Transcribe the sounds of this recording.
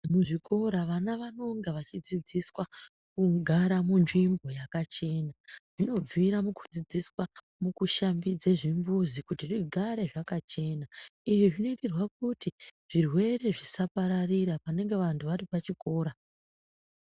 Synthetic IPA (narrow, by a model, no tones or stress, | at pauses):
muʐiko̞ɾaʋanaʋano̞ŋɡeʋat͡ʃid͡zid͡ziswa | kuɡʱaɾamunʐimbo̞jakat͡ʃe̞naʐ̥ino̞b͡viɾamuku̥d͡zid͡ziswa | mukuʃambid͡zeʐimbuzikutiriɡʱaɾe̞ʐakat͡ʃe̞ːnaiʐiʐino̞iterwak̚utiʐ̥irwe̞ɾe̞ʐisapaɾariɾapane̞ŋɡe̞ʋantʰuʋaɾipat͡ʃiko̞ːɾa